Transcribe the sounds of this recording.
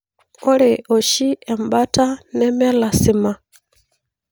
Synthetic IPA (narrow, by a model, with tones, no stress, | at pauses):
ɔ˦le˨ʔɔ˨ʃi˦ɛ˨mba˦ta˦nɛ˦mɛ˦la˨si˨ma˨